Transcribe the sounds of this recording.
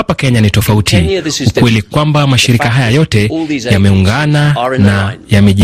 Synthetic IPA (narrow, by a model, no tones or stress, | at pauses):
apakɛɲanitɔfautʰiuwɛlikwambamaʃiɾikaɦajajɔtɛjamɛuŋɡananajamɛʄ